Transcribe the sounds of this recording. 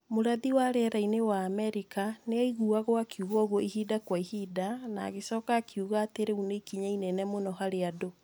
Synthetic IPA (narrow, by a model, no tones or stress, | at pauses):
moɾaðiwaɾɛɾainewaːmɛɾikaneaiɣuaɣoakiuɣɔɣoihidakwaihidana̰ɣesɔkaːkʰiuɣaːteɾeunekiɲainɛnɛmonɔɦaɾeado